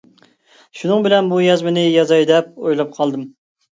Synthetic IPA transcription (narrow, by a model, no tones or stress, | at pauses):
ʃunɨŋbɪlɛnbujɑzmɪnɪjɑzɑjd̪ɛp̚ojlˠɑp̚qʰɑlˠd̪ɨm